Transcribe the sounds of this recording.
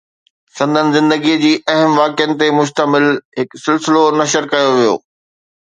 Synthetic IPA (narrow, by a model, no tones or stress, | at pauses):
sɐ̃nd̪ʱənɪ̆zɪ̃nd̪əɡid͡ʑiːʔɐɦəmʋaːkɪjənɪ̆t̪emʊʃt̪əmɪlɦɪksɪlsɪlonɐʃəɾkɐjoʋijo̰ː